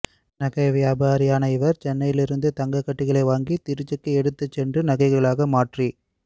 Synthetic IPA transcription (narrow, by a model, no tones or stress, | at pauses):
nɐɣɐɪʋjaːbaːɾɪjaːnɐɪʋɐɾt͡ʃɛnːɐjɪlɪɾɯnd̪ɯt̪ɐŋɡɐkːɐʈːɪɣɐɭɐɪʋaːŋɡit̪ɪɾɯt͡ʃːɐkːɯɛɽɯt̪ːɐt͡ʃːɛndrɯnɐɣɐɪɣɐɭaːɣɐmaːʈri